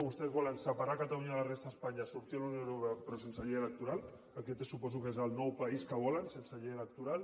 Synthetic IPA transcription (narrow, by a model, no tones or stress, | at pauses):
βust̪ezβɔlansəpaɾakat̪auɲaðəlarest̪aespaɲasuɾt̪ialaunj̃ewɾupeapɾɔs̬ensaʎeelək̚t̪uɾal | aket̪esupɔzukezalnɔwpaiskəβ̞ɔlansensaʎeelək̚t̪uɾal